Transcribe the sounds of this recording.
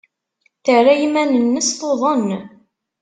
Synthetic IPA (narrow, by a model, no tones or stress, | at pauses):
θərːajimænənːəsθoðˤən